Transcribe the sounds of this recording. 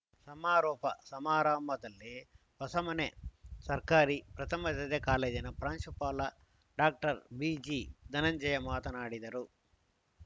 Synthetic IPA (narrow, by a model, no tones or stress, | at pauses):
sɐmaːɾɔːpɐsɐmaːɾaːmɐd̪ɐlːe | pɐsɐmɐnesɐɾkaːɾipɾɐt̪ʰɐmɐt̪ɐd̪ɐkaːleːd͡ʒinɐpɾaːnʃupaːlɐ | ɖaːk̚ʈɐɾbiːd͡ʒiːd̪ɐnɐɲd͡ʒɐjɐmaːt̪ɐnaːɽid̪ɐɾu